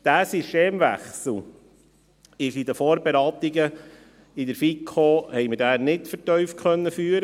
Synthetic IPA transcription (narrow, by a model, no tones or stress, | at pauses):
d̥̪æːsisteːmʋæ̰χsl̩ | ɪʃid̪əfoːɾbeɾɑːt̪iɡə | id̪əɾfikʰːoːhɛjməɾdænɪtfəɾtœʏfkʰœnːəfyːɾə